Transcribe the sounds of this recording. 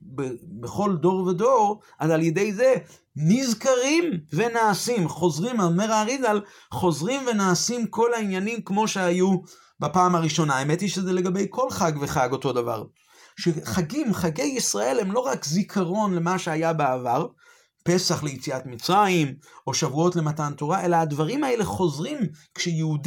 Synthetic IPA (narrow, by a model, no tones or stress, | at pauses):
bebeχo̞ldo̞ʁvedo̞ʁ | azaljed̪e̞jze | nizkaʁimve̞naːsimχo̞zʁimaomeʁaʁizal | χo̞zʁimve̞naːsimko̞lainjanimkmo̞ʃeaju | bapaːmaʁiʃo̞naemet̪iʃezele̞ɡabe̞jkʰo̞lχaɡveχaɡo̞t̪o̞dava̰ʁ | ʃeχaɡimχaɡe̞jisʁae̞lhe̞mlo̞ʁakzikʰaʁo̞nle̞maʃeajabeavaʁ | pe̞saχle̞jet͡siat̪mit͡sʁaimo̞ʃavuo̞tle̞matanto̞ʁaʔe̞laːd̪vaʁimae̞le̞χo̞zʁimkʃejeud